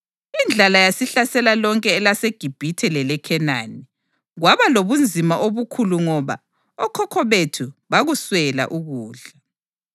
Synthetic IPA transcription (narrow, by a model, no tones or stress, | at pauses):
ind͡ɮʱalajasiɬasɛlalɔŋkʼɛːlaseɡ̥ʱib̥ʱitʰɛlɛlɛkʰɛna̰ni | ɣwaβaloβund͡zʱimaʔoβukʰuluŋɔβa̰ | ɔkʰɔkʰɔβetʰuβaɣuswɛla̰ʔuɣuːɮa